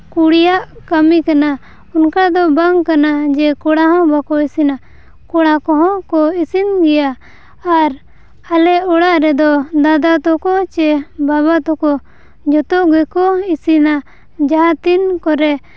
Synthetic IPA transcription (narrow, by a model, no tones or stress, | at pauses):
kuɽijaʔkəmikana | unkad̪ɔbaŋkanad͡ʒɛkɔɽaɦɔ̃bakɔisina | kɔɽakɔɦɔ̃kɔisinɡɛjaː | ɾ | alɛɔɽaʔɾɛd̪ɔd̪ad̪at̪ɔkɔt͡ʃɛbaβat̪ɔkɔ | d͡ʒɔt̪ɔʔɡɛkɔisina | d͡ʒaɦãt̪inkɔɾɛ